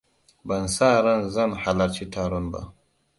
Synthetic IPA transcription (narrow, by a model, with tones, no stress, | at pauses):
ba˨nsa˦ɾa˦nza˦nha˨la˨ɾt͡ʃi˦tʰaɾo˦nba̰˨